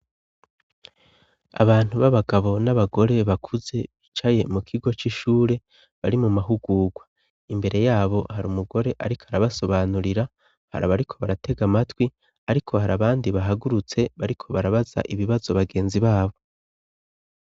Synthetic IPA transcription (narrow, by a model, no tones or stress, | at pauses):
a̰βaːn̥huβaβaɡaβo̞naβaɡo̞ɾe̞βakʰuze̞βit͡ʃaje̞mukʰiɡo̞t͡ʃiʃuːɾe̞ | βaɾimumaɦuɡuːɡwa | imbe̞ɾe̞jaːβo̞haɾumuɡo̞ɾe̞ʔaɾikʰoaɾaβaso̞βaːnuɾiɾa | ha̰ɾaβaɾikʰo̞βaɾatʰe̞ɡamatwi | aɾikʰo̞haɾaβaːndiβaɦaɡuɾut͡se̞βaɾikʰo̞βaɾaβaza̰ʔiβiβazo̞βaɡe̞ːnziβaːβo̞